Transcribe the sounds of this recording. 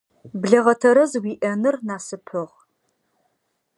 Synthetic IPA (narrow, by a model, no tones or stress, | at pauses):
bɮɐʁɐtʰɐɾɐzwiːʔɐnɨrnaːsɨpʰɨʁ